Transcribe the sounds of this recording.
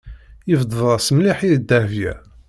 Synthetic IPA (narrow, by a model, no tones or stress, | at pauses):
jəvd̪ˤvˤɑsəmliħid̪ːæhvjæ̰